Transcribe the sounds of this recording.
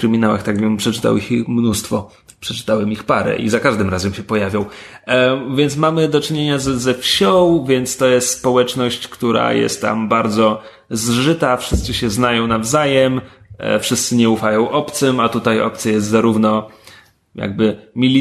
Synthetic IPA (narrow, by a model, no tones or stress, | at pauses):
kɾɘmʲinawa̰xt̪aɡvʲɛmpʂɛt͡ʂɘ̥t̪a̰wixixmnust̪fɔ | pʂɛt͡ʂɘ̥t̪awɛmixpaɾɛ̰ʔḭzakaʐd̪ɘmɾazɛmɕɛpɔjavʲjɔ̃w̃ | vʲjɛnt̪smamɘd̪ɔt͡ʂɘɲeɲazzɛfɕɔwvʲjɛnt̪st̪ɔjɛst̪spɔwɛt͡ʂnɔɕt͡ɕkt̪uɾa̰jɛ̰st̪tːa̰mbaɾd̪zɔ | zʐɘt̪afʂɘst̪sɘɕɛznajɔ̃w̃navzajɛm | fʂɘst̪sɘɲɛufajɔ̃w̃ʔɔpt̪sɛmat̪ut̪ajɔ̰p̚t̪sjajɛst̪zaɾuvnɔ | ja̰ɡ̚bɘmʲilʲi